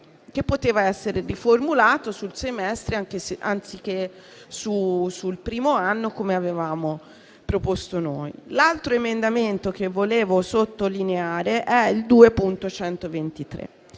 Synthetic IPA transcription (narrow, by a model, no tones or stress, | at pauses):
k̟epːot̪eːvaɛsːeɾeriformulaːt̪osulsemɛst̪ɾeaŋk̟eseʔant̪sik̟ːe | susulpɾiːmoanːokomeavevaːmo | pɾopost̪onoːjlalt̪ɾoemend̪ament̪ok̟evːoleːvosot̪ːolineaːɾeʔɛild̪uːepunt̪ot͡ʃɛnt̪ovent̪it̪ɾḛ